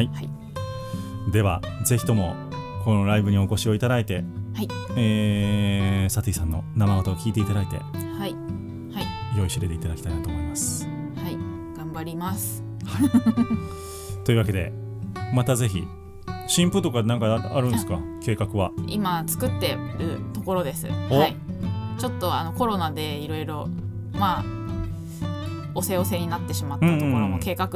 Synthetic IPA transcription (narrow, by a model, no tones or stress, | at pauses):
hai | d̪e̞βa̰ze̞çi̥t̪omo̞ | ko̞noɾaibɯ̟ɲ̟io̞ko̞ɕio̞it̪ad̪ait̪e̞haieː | sat̪ɯisãnːo̞̰namaɡot̪aokʲiːt̪e̞it̪ad̪ait̪e̞̰hai | haijo̞iɕiɾe̞t̪e̞it̪ad̪aki̥t̪ainat̪o̞ːmoimasɨ̥ | hai | ɡ̥ãmbaɾʲimasɨ̥ | ha | t̪oiɯ̟βake̞d̪e̞̰ | mat̪aze̞çḭ | ɕĩmpɯ̟t̪o̞kanãŋkaaɾɯ̟̃ñsɨ̥kake̞ːkakɯ̟βaḭmat͡sɨ̥kɯ̟t̪ːe̞ɾɯ̟t̪o̞ko̞ɾo̞d̪e̞sɨ̰hit͡ɕo̞t̪ːo̞ano̞ko̞ɾo̞nad̪e̞iɾo̞iɾo̞ | ma | o̞se̞o̞se̞ɲ̟inat̪ːe̞ɕimat̪ɯ̃ːoɾoke̞ːkakɯ